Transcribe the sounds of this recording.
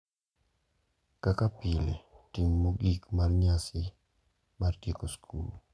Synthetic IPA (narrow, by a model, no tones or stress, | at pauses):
kakapiletiŋmoɡikmarɲasɪ | martikoskʰṵl